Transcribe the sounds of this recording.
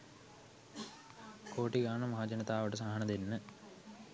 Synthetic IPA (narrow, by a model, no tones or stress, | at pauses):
koːʈiɡaːɳɐmɐɦad͡ʑɐnɐt̪aːʋəʈəsaːɦɐnɐd̪enːə